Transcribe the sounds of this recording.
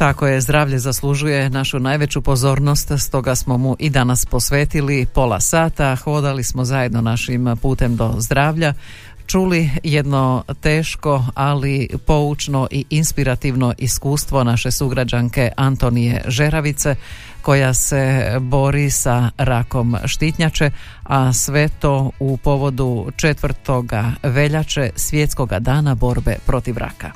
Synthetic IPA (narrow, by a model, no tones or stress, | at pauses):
t̪ako̞je̞zd̪ɾaːʋʎe̞zaslˠuʒuje̞naʃunaːjʋe̞t͡ɕupo̞zo̞ːɾno̞st̪st̪o̞ɡasmo̞muʔid̪anaspo̞sʋe̞ːt̪ilipo̞lˠa̰saːt̪axo̞d̪alismo̞zaje̞d̪no̞naʃimpuːt̪e̞md̪o̞zd̪ɾaːʋʎa | t͡ʃulije̞d̪no̞t̪eːʃko̞alipo̞ut͡ʃno̞ʔiʔinspiɾat̪iʋno̞ʔiskuːst̪ʋo̞naʃe̞suɡɾad͡ʑaŋke̞ʔant̪o̞nijḛʒe̞ɾaʋit̪se̞ | ko̞jase̞bo̞ɾisaɾako̞mʃt̪it̪ɲat͡ʃe̞ | asʋe̞t̪o̞upo̞ʋo̞d̪ut͡ʃet̪ʋr̩t̪o̞ɡaʋe̞ʎat͡ʃesʋjet̪skoɡa̰d̪aːnabo̞ɾbe̞̰pɾo̞t̪iʋɾa̰ka̰